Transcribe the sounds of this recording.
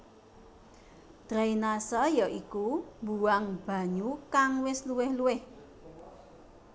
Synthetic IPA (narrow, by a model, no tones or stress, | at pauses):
d̪̥ɾainasɔjɔʔikumbuaŋb̥a̤ɲukaŋwɪsluwɪhluwɪh